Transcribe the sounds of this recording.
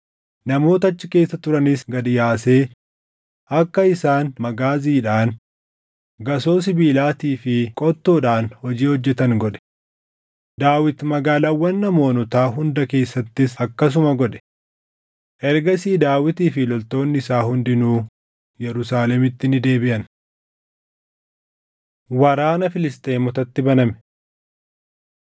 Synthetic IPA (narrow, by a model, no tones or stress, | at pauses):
nɐmo̞ːt̪ɐɐt͡ʃːɪke̞ːsːɐt̪ʊɾɐnɪsɡɐd̪ɪjaːse̞ː | ɐkːɐɪsaːnmɐɡaːziːᶑaːn | ɡɐso̞ːs̬ɪbiːlaːt̪iːfɪkʼɔt̪ːoːᶑaːnhɔd͡ʒiːhɔd͡ʒːɛt̪ɐŋɡɔᶑɛ̥ | d̪aːwɪt̪mɐɡaːlawːɐnːɐmo̞ːnɔt̪aːɦʊnd̪ɐke̞ːsːɐt̪ːɪsɐkːɐs̬ʊmɐɡɔᶑɛ̥ | ʔɛɾɡɐsiːd̪aːwɪt̪iːfɪlɔlt̪o̞ːnːɪɪsaːhʊnd̪ɪnuː | jɛɾʊsaːlɛmɪt̪ːɪnɪd̪e̞ːbɪʔɐn | wɐɾaːnɐfɪlɪst̪ʼe̞ːmɔt̪ɐt̪ːɪbɐnɐmɛ̥